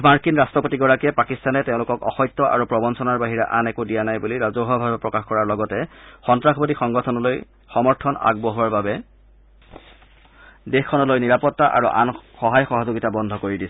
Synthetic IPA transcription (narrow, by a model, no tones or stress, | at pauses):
maɹkinɹastɹɔpotiɡɔɹakɛpakistanɛtɛʊ̃lʊkɔkɔ̰xɔjt̪ːɔʔa̰ɹupɹɔbɔnsɔnaɹbaɦiɹa̰ʔanɛkudijanajbuliɹazɔɦɔbʱabɛpɹɔkaxkɔɹaɹlɔɡɔtɛxɔntɹaxʰɔbodixɔŋɡɔtʰɔnɔloj | xɔmɔɹtʰɔna̰ɡ̚boɦuwaɹbabɛ | dexkʰːɔnɔlojniɹapɔtːaʔa̰ɹṵʔa̰nxɔɦajxɔɦɔzoɡitabɔndʱɔkoɹidisɛ